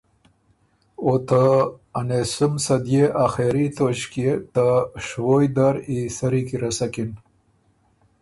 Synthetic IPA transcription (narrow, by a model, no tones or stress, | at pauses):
ot̪aːnesumsɐd̪jeʔaxeɾit̪oɕket̪aʂwojd̪aɾisaɾikiɾɐsakin